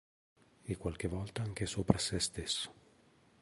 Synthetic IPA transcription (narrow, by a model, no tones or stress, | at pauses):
ekːwalk̟evɔlt̪aaŋk̟esoːpɾʔasɛst̪esːo̥